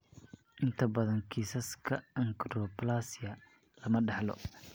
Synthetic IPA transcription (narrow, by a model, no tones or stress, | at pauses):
ʔɪnt̪ʰɐbɐðɐŋkʰiːsɐskʰɐɐŋɡrɔplaːsɪɐ | lɐmɐɖɑħlɔ̰